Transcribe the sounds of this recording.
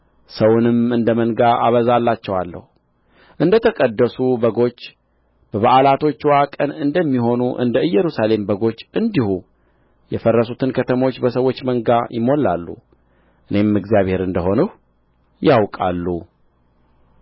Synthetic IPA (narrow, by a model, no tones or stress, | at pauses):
səwʊnɨmɨnd̪əməŋɡaʔa̰βəzalːat͡ʃːɛwalːə̰hu | ʔɨnd̪ət̪ʰəkʼəd̪ːəsubəɡo̞t͡ʃː | b̥əβaʔalat̪ʰo̞t͡ʃːwakʼənɨnd̪əmːiɦo̞nuʔɨ̰nd̪əɨjːɛɾusale̞mbəɡo̞t͡ʃːʔɨnd̪ihu | jɛfərːəsut̪ʰɨnkʰət̪ʰəmo̞t͡ʃːbəsəwo̞t͡ʃːməŋɡajɪmo̞la̰lːṵ | ʔɨne̞mɨɡzijaβhe̞ɾɨnd̪əɦo̞nəh | jawkʼalːu